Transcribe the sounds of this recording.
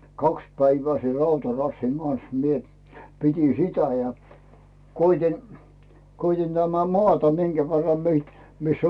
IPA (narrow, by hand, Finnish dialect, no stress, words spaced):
kɑks pæiʋæː ser rɑutɑrɑsːiŋ ɡ̊ɑns mie pitʲin sitæ jæ koitʲin koitʲin tæmæ moɑˑtɑ miŋɡ̊æ ʋerːɑm mi misː